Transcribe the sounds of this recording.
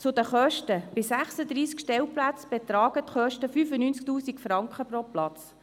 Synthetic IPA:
t͡sʊd̪əχœʃtəb̥ɪsæχsəd̪ɾiːskʃtɛlplæt͡sb̥ɛt̪ɾɑːɡ̥ət̪χœʃtəfyfənyːnt͡sk̚tuːsikfrɑŋkχəproplɑt͡s

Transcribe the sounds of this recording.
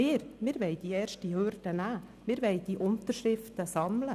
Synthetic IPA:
ɪːɾmɪːɾʋɛɪd̥̪iɛːɾʃtihøɾd̥ənæːmɪːɾʋɛɪd̥̪iʔʊnt̪əɾʃɾɪft̪əsɑmlə

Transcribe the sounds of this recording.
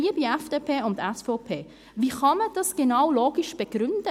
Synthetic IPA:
iəbiɛfd̥eːpʰeːʊnt̪ɛsfɔʊpʰeː | viːχɑməd̥ɑsɡ̥enawloːɡ̥iʃb̥eɡ̥ɾʏnd̥ə

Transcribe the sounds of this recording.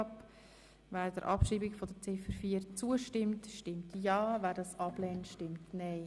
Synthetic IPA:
p | væːɾd̥əɾʔɑpʃiːbɪkfɔdət͡sɪfəɾfiːəɾt͡suəʃtɪmtʃtɪmtjɑːvæːɾdɑsɑblɛːntʃtɪmtnɛɪ

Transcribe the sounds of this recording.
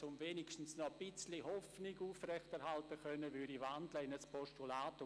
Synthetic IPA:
t͡sʊmveːnɪkʃtn̩snɔb̥ɪt͡slihɔfnɪɡuːfrɛχtɛɾhaltəkœnːəvyɾivandləɪnəspʰɔʃtulaːt

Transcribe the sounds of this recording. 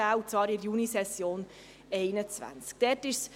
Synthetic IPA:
aːut͡svɑːɾɪɾjunisɛsjoːn | ɛɪnət͡svæ̰nt͡sk̚d̥ɛːtɪʃs

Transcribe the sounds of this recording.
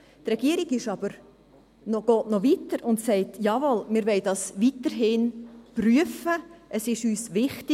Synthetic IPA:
trɛɡ̥iəɾiɡɪʃɑb̥əɾ | nɔɡ̥ɔːtnɔvitəɾʊntsɛɪtjɑvɔlmɪːɾʋɛɪdɑsʋitəɾɦɪnpryəfəʔəsɪʃyːsʋɪχtɪ

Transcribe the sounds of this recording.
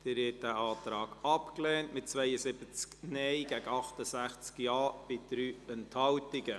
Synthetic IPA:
d̥ɪɾɪt̚d̥æʔɑːtɾɑːɡ̥ɑpklɛːntmɪt̚t͡svɛjəsɪb̥ət͡sknɛɪɡ̥æɡəɑχtəsæχt͡skjɑːb̥ɪd̥ɾyːɛnthɑltɪɡə

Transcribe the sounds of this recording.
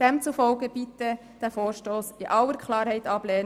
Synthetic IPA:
d̥ɛmt͡sufɔlɡəb̥it̪ə | d̥æfoːɾʃtoːsɪʔɑlːəɾkχlɑːɾhɛɪt̪ɑb̥lɛːn

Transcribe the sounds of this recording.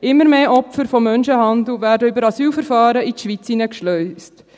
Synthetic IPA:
ɪmːəɾmeːʔɔpfəɾfɔmːœnʃəɦɑnd̪l̩ˠvæːɾdəybəɾɑsyːlfəɾfɑːɾəit̪ʃʋit͡sinəkʃlœʏst

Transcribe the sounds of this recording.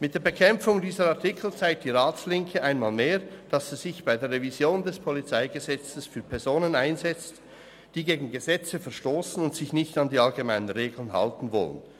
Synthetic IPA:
mɪt̚d̥eːɐbekʰɛmfʊŋdiːzəɾɑʁtʰɪkʰl̩t͡saɪk̚t̚d̥iːʁaːt͡slɪŋkʰəʔaɪnmaːlmeːɐd̥ɑsiz̥ɪçb̥aɪdeːɐʁevizjoːndɛspʰɔlit͡saɪɡəzɛt͡səsfyːɐpʰɛɐzoːnənaɪnzɛt͡st | d̥iːɡeːɡŋ̩ɡəzɛt͡səfɛɐʃtoːsn̩ʊntsɪçnɪçtɑndiːɑlɡemaɪnənʁeːɡl̩ənɦɑ̰ltn̩vɔ̰lə̰n

